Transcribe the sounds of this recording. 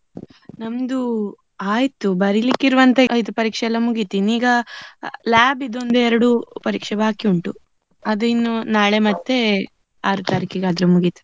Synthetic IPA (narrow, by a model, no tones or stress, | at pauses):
nɐmd̪u | aːjt̪ubɐɾilikːiɾuʋɐnt̪ɐɐjt̪upɐɾiːkʂɛɛlːɐmuɡit̪iniːɡɐ | laːbid̪o̞nd̪eɛɾɐɽupɐɾiːkʂɛbaːkiuɳʈu | ɐd̪uinːunaːɭemɐt̪ːe | aːɾut̪aɾikiɡaːd̪ɾumuɡit̪ɐ̥